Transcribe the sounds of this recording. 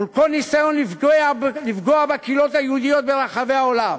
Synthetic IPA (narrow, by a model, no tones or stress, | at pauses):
ulkolnisajo̞nlifɡoalifɡoabakilo̞t̪ajehud̪ijo̞t̪̚beʁaχave̞aolam